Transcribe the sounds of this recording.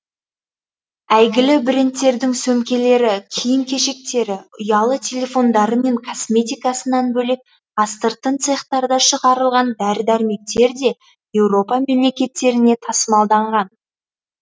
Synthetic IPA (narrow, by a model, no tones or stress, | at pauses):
æjɡʲɪlɪbɪɾʲɪnt̪ːe̞ɾd̪ɪŋsɵmkʲe̞le̞ɾɪkʲʰijɪŋkʲʰe̞ʃe̞k̚t̪e̞ɾɪʊjɑlˠət̪ʲʰe̞lʲe̞fo̞nd̪ɑɾəme̞ŋkʰo̞smʲe̞t̪ʲijkɑsənɑnbɵle̞k̚ | ɑst̪əɾt̪ənt̪seχt̪ɑɾd̪ɑʃəʁɑɾəlˠʁɑnd̪æɾd̪æɾme̞k̚t̪e̞ɾd̪e̞ | je̞wɾo̞pɑme̞mle̞kʲe̞t̪ːe̞ɾɪne̞t̪ʰɑsəmɑlˠd̪ɑɴʁɑn